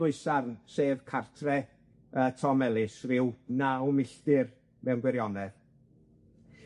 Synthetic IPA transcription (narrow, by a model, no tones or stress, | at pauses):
ʊɨsarnseːvkʰartʰrɛ | əːtʰɔmɛlˠɪsrɪwnawmɪɬd̥ɪr | mɛwnɡwɛɾjɔnɛð